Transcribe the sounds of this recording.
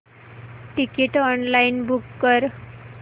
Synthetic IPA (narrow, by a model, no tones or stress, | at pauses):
ʈikiʈɔnlainbukːəɾ